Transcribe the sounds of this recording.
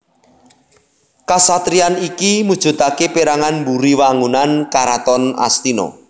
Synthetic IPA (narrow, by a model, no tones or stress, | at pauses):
kasat̪ɾianikimud̥ʒ̥ṳt̪akepiɾaŋanmbuɾiwaŋunankaɾat̪ɔna̰st̪inɔ̰